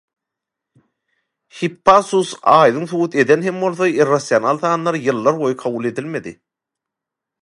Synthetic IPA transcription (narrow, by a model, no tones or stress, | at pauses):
hipːɑsusɑːjd̪ɯŋθuwɯt̪ʰe̞d̪enɦe̞mbo̞lˠθɑirːasʲjonɑlˠθɑːnːˠɑɾjɯlˠːɑɾbo̞jɯqʰɑβulˠe̞d̪ilme̞d̪ḭ